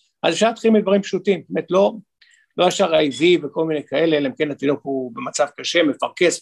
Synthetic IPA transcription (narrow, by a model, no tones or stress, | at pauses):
ʔazefʃaʁlat̪χilmid̪vaʁimpʃutimbemet̪lo̞ | lo̞jafʃaʁajviveko̞lminekae̞leleimkenat̪idokube̞mat͡savkaʃe̞me̞faʁkes